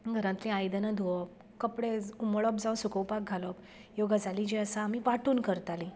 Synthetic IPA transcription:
ɡʱəɾãt̪lĩajd̪ənad̪ʱuɔp̚ | kəpɽeumɭɔpd͡zãwsukəwpak̚ɡʱalɔp | joɡʱad͡zalid͡ʑiəsaːm̤iʋaʈuːnkəɾt̪alĩ

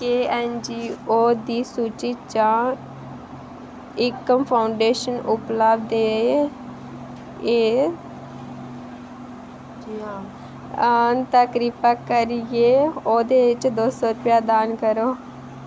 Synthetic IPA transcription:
keːɛːnd͡ʒiːoːd̪iːsuːt͡ʃiːt͡ʃãː | ɪkːəmpʰaːʊɳɖeːʃənʊpləːbd̪eː | eː | t̪əkɾiːpəkəɾɪjeːoːd̪eːɪt͡ʃd̪oːsɔːɾʊpjaːd̪aːnkəɾoː

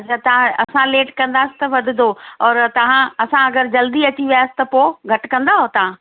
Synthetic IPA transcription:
t͡ɕʰat̪ɐ̤ãɐsãleːʈkɐ̃nd̪aːsɪ̥t̪ɐʋɐd̪ʱɪ̆d̪ʱoɔːɾt̪ɐʋ̤ãɐsãɐɡəɾd͡ʑɐld̪iɐt͡ɕiʋijaːsɪ̥t̪ɐpoːɡʱɐʈkɐ̃nd̪aːɦot̪ɐʋ̤ã

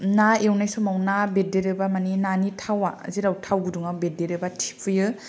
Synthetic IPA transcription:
naewnajsɔmawnabedeɾɯbamaninanitʰawa̰ziɾawtʰawɡɯduŋabedeɾɯbatʰi̥pʰɯjɯ

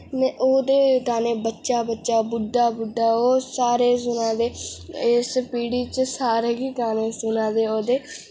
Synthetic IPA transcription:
nɛ̃ʔoːd̪eːk̪aːneːbətːʃaːbətːʃaːbʊɖaːbʊɖaːoːsaːɾeːs̬ʊnãːd̪eːɪspiːɽiːt͡ʃsaːɾeːɡiːk̪aːneːsʊnãːd̪eːoːd̪eː

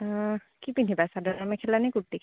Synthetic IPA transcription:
kipinibasadɔnamɛkʰɛlanɛkutːikʰ

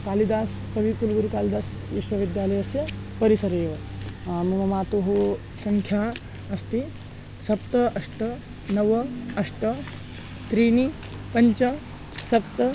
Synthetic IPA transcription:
kalid̪as | kɐʋikulɡuɾukalid̪as | ʋiʃʋɐʋid̪jaləjɐsjɐpəɾisɐɾeːʋə | mumɐmat̪oɦu | sɐŋkʰja | ɐst̪i | sɐpt̪əɐʂʈə | nəʋəɐʂʈə | t̪ɾini | pɐɲt͡ʃɐ | sɐp̚t̪ə

